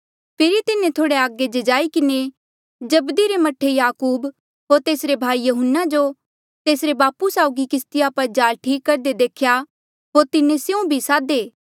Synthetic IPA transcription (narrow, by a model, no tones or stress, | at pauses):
pʰɪɾit̪ɪnẽt̪ʰoːɽeaːɡed͡ʒed͡ʒaːikɪne | d͡ʒɐbd̪iɾemɐʈʰːejaːkuːb | ɦoːɾt̪eːsɾebʱaːijɐɦənːad͡ʒo | t̪eːsɾebaːpusaːʊɡikɪst̪iapɐɾd͡ʒaːlʈʰiːkːɐɾd̪ed̪eːkʰja | ɦoːɾt̪ɪnẽsjũbʱisaːd̪eː